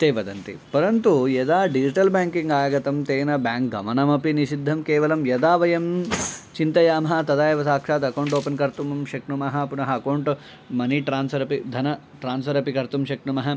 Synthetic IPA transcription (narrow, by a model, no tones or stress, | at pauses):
t̪eːʋɐd̪ɐnt̪ḭpɐɾɐnt̪ujɐd̪aːɖid͡ʒiʈɐlbaːŋkiŋɡaːjɐɡɐt̪ɐmt̪eːnɐbaːŋkɡɐ̰mɐnɐmɐpiniʃid̪ʱːɐmkeːʋɐlɐmjɐd̪aːʋɐjɐmt͡ʃint̪ɐjaːmɐɦɐ̆t̪ɐd̪aːjɐʋɐsaːkʂaːt̪ɐkɐwɳʈoːpɐnkɐɾt̪umɐmʃɐknumɐɦɐpunɐɦɐɐkɐwɳʈ | mɐniʈɾaːnsɐɾɐpid̪ʱɐnɐ | ʈɾaːnsfɐɾɐpikɐɾt̪umʃɐkɳumɐɦɐ